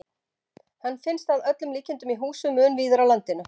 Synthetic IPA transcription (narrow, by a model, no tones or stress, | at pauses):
hanːfɪnst̪aðœt̪lʏmliːcɪnt̪ʏmiɦuːsʏmʏːnviːðʏɾalant̪ɪnʏ